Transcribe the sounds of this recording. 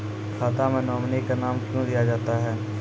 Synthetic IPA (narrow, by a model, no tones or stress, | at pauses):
kʰaːt̪amẽnɔːmnikanaːmkjõd̪ijad͡ʒaːt̪aɦɛː